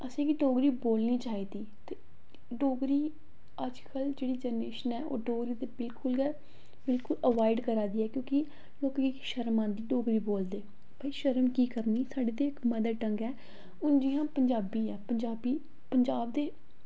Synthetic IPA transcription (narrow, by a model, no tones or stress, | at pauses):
əsẽːkiːɖoːɡɾiːboːlniːt͡ʃaːiːd̪iːt̪eː | ɖoːɡɾiː | əd͡ʒkəld͡ʒeːɽiːd͡ʒəneːʃənɛːo̰ːɖoːɡɾiːt̪eːbɪlkʊl | bɪlkʊləʋaːɪɖkəɾaːd̪iːɛːkjõːkɪ | loːkːiːkʃəɾmãːnd̪iːɖoːɡɾiːboːld̪eː | bəiʃəɾəmkiːkəɾniːsaːɖeːd̪eːɪkməd̪əʈəŋɡɛː | ʊnd͡ʒiːjãːpəɲd͡ʒaːbiːɛːpəɲd͡ʒaːbiː | pəɲd͡ʒaːbd̪eː